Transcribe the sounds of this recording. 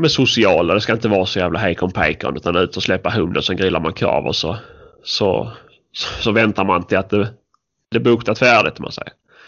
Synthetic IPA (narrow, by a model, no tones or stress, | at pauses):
mɛsʊsɪɑːlad̪ɛskaɪnt̪əvɑːɾsɔjæːvlaɦeɪkʰɔmpʰɛ̰ɪka̰ʊnd̪ːt̪anʉ̟ːt̪əɔslɛpːaɦɵnd̪ənsɛnɡɾɪlːaɾmankʰɾɑ̰ːvɔ̰sɔsɔ̰ | sɔvɛnt̪aɾmant̪ʰɪlat̪̚d̪ɛ | d̪ɛbʊkt̪at̪fæːɖɪt̪ʰːama̰nsɛ̰jəɾ